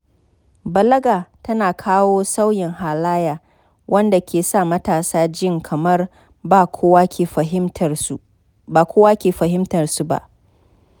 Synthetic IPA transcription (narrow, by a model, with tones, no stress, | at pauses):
bɐ˨lɐ˦ɡaː˨tɐ˦naː˨kʰaː˦woː˦sa˦wjɪ˨ŋɦaː˨laː˦jaː˨ | wʔɐ˦nda˨kʲʰeː˨sa˦˨mɐ˦taː˨saː˦d͡ʒɪ˦ŋkʰɐ˨mɐ˦r | baː˨kʷʰoː˦waː˦kʲeː˨ɸɐ˨hɪ˦mtɐ˨rsu˨ba̰˦ʔ